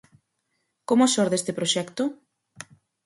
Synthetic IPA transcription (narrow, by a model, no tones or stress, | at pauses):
komʊaʃɔɾðest̪ɪpɾoʃɛkt̪ʊ